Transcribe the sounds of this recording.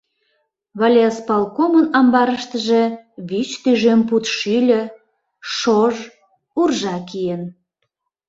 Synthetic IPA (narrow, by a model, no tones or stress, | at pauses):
βɑlʲeaspɑlkomənɑmbɑɾəʃt̪əʒe̽βit͡ɕt̪yʒemput̪ʃylʲə̆ | ʃoʒ | urʒɑkijen